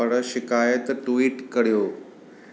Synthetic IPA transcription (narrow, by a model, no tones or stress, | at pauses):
əɽəʃikajət̪ʈuʋiːʈkəɽjoː